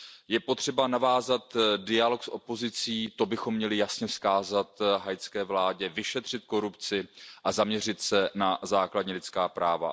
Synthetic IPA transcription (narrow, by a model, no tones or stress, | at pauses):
jɛpo̞t̪r̝̥ɛbanavaːzat̪dɪalo̞ksʔo̞po̞zɪt͡siːt̪o̞bɪxo̞mːɲɛlɪjasɲɛskaːzat̪ɦajt͡skɛːvlaːɟɛvɪʃɛt̪r̝̥ɪt̪̚ko̞ɾupt͡sɪʔazamɲɛr̝ɪt̪sɛnazaːkladɲilɪt͡skaːpɾaːva̰